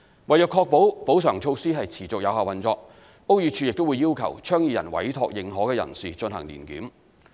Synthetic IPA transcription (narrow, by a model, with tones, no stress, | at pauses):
wɐ˨˩jœː˨kʰɔː˧k̚po˨˥wpo˨˥wsœː˨˩ŋt͡ʃʰo˧wsiː˥ɦɐ˨jt͡sʰiː˨˩t͡sʊ˨k̚jɐ˨˧whaː˨wɐ˨nt͡sɔː˧k̚ | o˥wjyː˧˥t͡ʃʰy˧jɪ˨k̚t̪o˥wu˨˧jiː˥wkʰɐ̰˨˩wt͡ʃʰœː˥ŋjiː˧jɐ˨˩nwɐ̰˨˥jt̪ʰɔː˨˧k̚jɪ˨ŋɦɔː˨˥kɛː˧jɐ̰˨˩nsiː˨t͡ʃɵ˧nɦɐ̰˨˩ŋlḭː˨˩nkḭː˨˥m